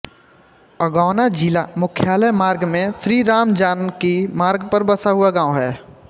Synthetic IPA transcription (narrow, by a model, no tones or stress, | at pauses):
əɡaːnad͡ʒilamʊkʰjaːləjmaːɾɡmẽsɾiːɾaːmd͡ʒaːnkimaːɾɡpəɾbəsaɦʊaɡãːõɦɛː